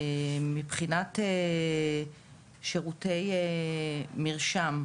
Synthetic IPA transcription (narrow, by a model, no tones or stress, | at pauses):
mipχinate | ʃeʁutej | miʁʃam